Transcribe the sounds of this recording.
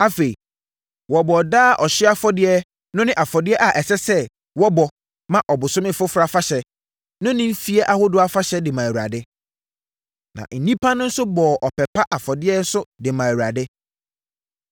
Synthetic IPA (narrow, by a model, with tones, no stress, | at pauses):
a˦fe˨i˨ | wɔ˨bɔ˨daː˦˨ʔɔ˨ɕɪ˦a˦fɔ˦dɪ˦ɛ˦ | nʊ̃˦nɪ̃˦ʔa˨fɔ˨dɪ˦ɛ˦ʔa˨ʔɛ˨sɛ˦sɛ˦ | wɔ˦bɔ˨ | mã˦˨ʔɔ˨bʊ˨sʊ̃˦mɪ̃˦fʊ˦fɾa˨fa˦ɕɛ˨ | nʊ̃˦nɪ̃˦m̩˦fi˦ɛ˦ʔa˨hʊ˦dʊ˦a˦fa˦ɕɛ˦dɪ˨mã˨ɾa̰˨dɛ˦ | nã̰˨ʔn̩˨nĩ˦pʰa˦nʊ̃˦n̩˦sʊ˦bɔː˨ʔɔ˨pɛ˨pʰa˦ʔa˨fɔ˨dɪ˦ɛ˦n̩˦sʊ˦dɪ˨mã˨wu˨ɾa˨dɛ˦